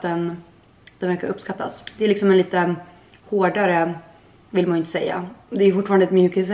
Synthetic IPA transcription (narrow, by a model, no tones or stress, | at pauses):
d̪ɛn | d̪ɛnvæɾkaɾɵpːskat̪ʰːa̰sd̪ɛːɾlɪksɔmɛnliːt̪ə | hoːɖaɾə | vɪlmanɪnt̪ə̥sɛ̰jːa̰d̪ɛːjɵfʊʈːfɑːɾand̪ɛt̪mjʉ̟ːkɪs